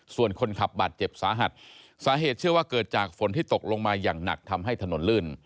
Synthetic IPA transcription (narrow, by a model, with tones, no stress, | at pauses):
su˨˩ənkʰo˧nkʰa˨˩p̚baː˨˩t̪̚t͡ɕe˨˩p̚saː˩˦ɦa˨˩t̪̚ | saː˨˦ɦeː˨˩t̪̚t͡ɕʰɯ˥˩əwaː˥˩kɤː˨˩t̪̚t͡ɕaː˨˩k̚fo˨˩˦nt̪ʰiː˥˩t̪o˨˩k̚lo˧ŋmaː˧jaː˨˩ŋna̰˨˩k̚t̪ʰa˧mɦa˥˩jt̪ʰa˧no˨˩˦nlɯː˥˩n